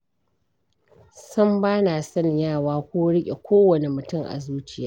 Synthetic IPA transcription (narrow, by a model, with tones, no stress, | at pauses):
sɐ˦mbaː˦na˨sɐ˦ɲjaː˦˨waː˦kʷuː˦ɽɪ˦kʲʼe˨kʷoː˦wɐ˨ne˨mʊ˨tʊ˦ŋʔa̰˨zuː˦t͡ʃɪ˦jaː˦ʔ